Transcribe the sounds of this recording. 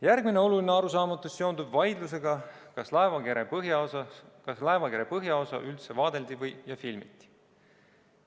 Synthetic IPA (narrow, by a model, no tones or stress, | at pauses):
jærɡ̥mine̞o̞lulineɑɾusɑːmɑt̪ːˑusːe̞o̞nd̪ubvɑjd̪lus̬e̞ɡɑkɑslɑevɑɡeɾepɤɦjɑsɑkɑslɑevɑkeɾepɤɦjɑo̞sɑ̰ʔylt̪se̞vɑːd̪e̞ld̪ivɤjjɑfilmit̪ːi̥